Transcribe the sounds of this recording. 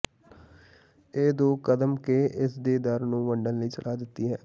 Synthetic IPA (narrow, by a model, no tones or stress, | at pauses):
eːd̪oːkəd̪əmkeːʔɪsd̪eːd̪əɾnũːʋəɳɖənləiːt͡ʃə̰lʔaːd̪ɪt̪ːiːɦɛː